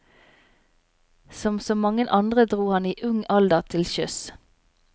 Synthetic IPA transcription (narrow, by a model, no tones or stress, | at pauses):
sɔmsoːmɑŋənʔɑnd̪ʁəd̪ʁuːhɑniːʔʉŋɑld̪ət̪ʰɪlʃʏs